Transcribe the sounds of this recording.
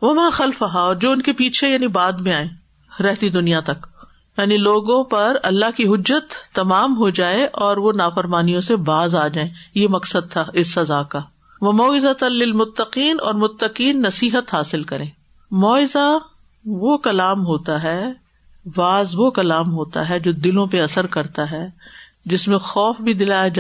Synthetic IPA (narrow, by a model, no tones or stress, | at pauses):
ʋɐmãːxɐlfɐɦaɔːɾd͡ʒoːʊnkepiːt͡ʃʰejaːnibaːd̪mẽaːẽː | ɾɛɦt̪id̪ʊnijat̪ɐk | jaːniloːɡõpɐɾɐlːaɦkiɦʊd͡ʒːət̪ːɐmaːmɦod͡ʒaːeʔɔːɾʋonaːfɐɾmaːnijõsebaːzaːd͡ʒaːẽːjemɐksəd̪̚t̪ʰaɪsːɐzaːka | ʋɐmɔːɪzat̪lɪlmʊt̪ːɐqiːnɔ̰ːɾmʊt̪ːɐqiːnːɐsiːɦət̪ɦaːsɪlkɐɾẽː | mɔːɪza | ʋokɐlaːmɦoːt̪aɦɛ | ʋaːzʋokɐlaːmɦoːt̪a̰ɦɛd͡ʒoːd̪ɪlõpeɐsəɾkɐɾt̪aɦɛː | d͡ʒɪsmẽxɔːfbʱid̪ɪlaːjad͡ʒa